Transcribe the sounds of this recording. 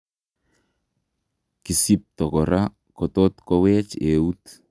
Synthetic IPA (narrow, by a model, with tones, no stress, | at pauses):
ki˨si˦p̚tɔ˨kɔ˨ɾa˦ | kɔ˨tɔ˦tkɔ˦wɛ˦t͡ʃe˨u˦t